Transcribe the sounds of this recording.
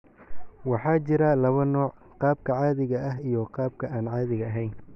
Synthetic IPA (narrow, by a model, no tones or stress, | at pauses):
wɑħɑːt͡ʃɪɾɐlɐβɐnɔːʕ | qɑːb̚kʰɐʕɑːðɪɣɐɐɦijɔqɑːb̚kʰɐaːnʕɑːðɪɣɐɐɦɛjn